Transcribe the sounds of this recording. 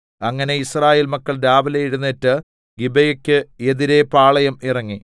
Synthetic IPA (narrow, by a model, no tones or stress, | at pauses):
ɐŋːɐne̞israːje̞ːlmɐkːɐɭɾaːbɐlejiɻunːetːɨ | ɡibɐjɐkʲːɨeðiɾe̞paːɭɐjɐmirɐŋːi